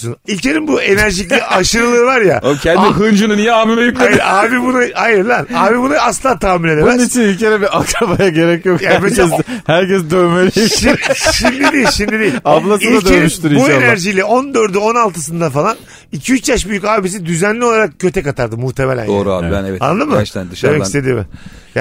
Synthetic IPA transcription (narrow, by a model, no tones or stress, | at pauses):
unilʲcʰeɾinbue̞næɾʒiclʲɛʔaʃɯɾɯlˠɯːvaɾja̰cʰɛniɦɯnd͡ʒɯnɯnijɛaːmimɛjykleiaːbibunaajɯɾd̪ænaːbibunaasˠaːt̪ʰaːmilʲed̪eænit͡ʃʰinilʲcʰeɾɛbiʔakɾabajaɟe̞ɾɛcjokjaæɛzhæɾcɛsd̪øjmeli | ʃimd̪id̪iːilʃimd̪id̪ijiaplˠasid̪ad̪øyʃt̪uɾubuenæɾʒijlʲɛo̞nd̪øɾd̪yo̞nalˠt̪ʰɯs̬ɯnd̪afalˠan | icʰiyt͡ʃjaʃbyjycaːbis̬id̪yzænlʲio̞lˠaɾak̚cʰø̞t̪ʰɛkat̪ʰaɾd̪ɯmuht̪ʰemelʲæ̰njo̰ɾa̰ɛa̰nlˠɯmːɯd̪emɛcist̪ed̪iːmɪ̰ | ja̰